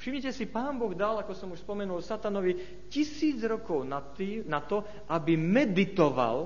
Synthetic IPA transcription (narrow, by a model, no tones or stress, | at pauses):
fʃimɲicɛsipaːnbɔɣd̪alakɔsɔmuʃspɔmɛnulsat̪anɔʋi | cisiːd͡zɾɔkɔʊnat̪inat̪ɔ | ʔabimɛd̪it̪ɔʋa̰l